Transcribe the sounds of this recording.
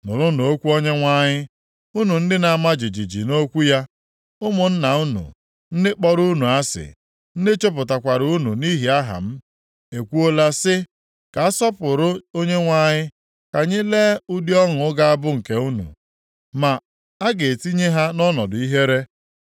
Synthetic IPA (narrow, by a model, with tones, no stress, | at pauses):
nʊ˨ɾʊ˦nu˨o˦kʷu˦o˦ɲe˦ŋʷa˦ɲɪ˦ | u˦nu˨n̩˦dɪ˦na˨a˨ma˦d͡ʒi˨d͡ʒi˨d͡ʒḭ˨no˦kʷu˦ja˦ | ʊ˦mʊ˨n̩˦na˨u˦nṵ˨ | n̩˦dɪ˦k͡pɔ˦ɾu˦nu˨a˦sɪ̰˨ | n̩˦dɪ˦t͡ʃo˦p̬ʊ˨ta˨kʷa˨ɾu˦nṵ˨ni˦ɦi˨a˦ɦa̰˨m̩˦ | e˨kʷu˦o˦la˦sɪ˦ | ka˨a˦sɔ˦pʊ˨ɾʊ˦o˦ɲe˦ŋʷa˦ɲɪ˦ | ka˨ɲɪ˦le˦u˦di˦ɔ˦ŋ̩˨ʊ˦ɡa˦a˦bʊ˦ŋ̩˨ke˨u˦nṵ˨ | ma˨ | a˦ɡe˨ti˦ɲe˦ɦa˦nɔ˦nɔ˨dʊ˨i˦ɦe˦ɾe˦